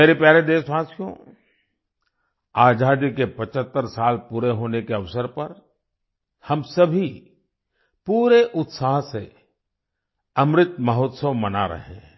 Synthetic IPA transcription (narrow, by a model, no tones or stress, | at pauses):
meːɾepɛːɾed̪eːʃʋaːsijõ̰ | aːd͡ʒaːd̪ikepɐt͡ʃət̪ːəɾsaːlpuːɾeɦoːnekeɐʋsəɾpɐɾ | hɐmsɐbʱi | puːɾeʔʊt̪saːɦse | ɐmɾɪt̪mɐɦɔːt̪səʋmɐnaɾɐ̰ɦḛ̃